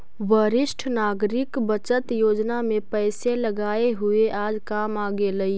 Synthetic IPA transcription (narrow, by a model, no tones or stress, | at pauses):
ʋəɾɪʃʈʰnaːɡɾɪkbət͡ʃət̪joːd͡ʒnamẽpɛɪseləɡaːeɦʊeʔaːd͡ʒkaːmaːɡeləi